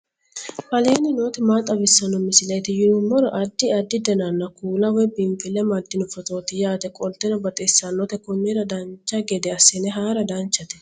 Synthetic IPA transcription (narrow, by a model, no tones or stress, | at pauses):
hɐleːnɪno̞ːt̪ɪmaːt̪ʼːɐbɪsːɐnɔmɪsɪlɐjt̪ɪjɪʊmːɔɾɔʔɐd̪ːɪɐd̪ːɪd̪ɛnɐnːɐkuːlɐwɔjbɪmpʼɪlɛmɐd̪ːɪnʊfɔtʼo̞ːt̪ɪjaːd̪ɛkʼɔlt̪ːɛnɐbɐt̪ʼesːɐnːɔt̪ɛkʊnːɛɾɐd̪ɐnt͡ʃːɐɡɛd̪ɛɐsːɪnɛɦaːɾɐd̪ɐnt͡ʃːɐt̪ɛ̥